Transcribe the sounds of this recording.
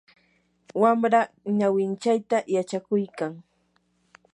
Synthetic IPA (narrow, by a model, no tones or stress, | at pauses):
wamɾa | ɲawɪnt͡ʃajt̪ajat͡ʃakʊjkaŋ